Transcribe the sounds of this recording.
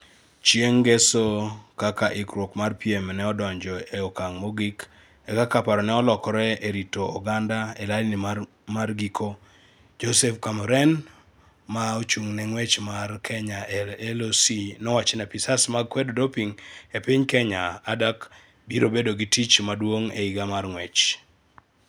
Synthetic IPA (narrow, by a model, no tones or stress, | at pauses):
t͡ʃjeŋɡesokakaʔɪkɾwokmarpiemnɛɔdɔɲd͡ʒɔeokaŋmoɡik | ekakapaɾɔnɛɔlɔkɔɾɛeɾitoːɡandaelalinima | marɡikʰo | d͡ʒosɛfkamɔɾɛn | maot͡ʃuŋnɛŋwɛt͡ʃmarkʰɛɲaelosinɔwat͡ʃenapisasmaɡ̚kwɛddopiŋepiɲkɛɲaadak | biɾobedoɡitit͡ʃmadwoŋḛiɡamarŋwɛt͡ʃ